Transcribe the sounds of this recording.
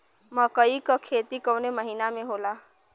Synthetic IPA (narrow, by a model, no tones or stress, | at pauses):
məkəikəkʰeːt̪ikəwneməɦiːnamẽɦoːlaː